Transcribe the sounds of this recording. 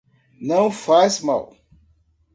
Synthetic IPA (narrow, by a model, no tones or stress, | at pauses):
nɐ̃w̃fazma̰w